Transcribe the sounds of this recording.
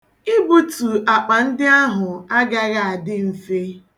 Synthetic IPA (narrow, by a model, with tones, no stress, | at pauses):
ɪ˦bu˦tu˨a˨k͡pa˨n̩˦dɪ˦a˦ɦʊ˨a˦ɡa˦ɣa˦˨a˨dɪ˦m̩˨fe˦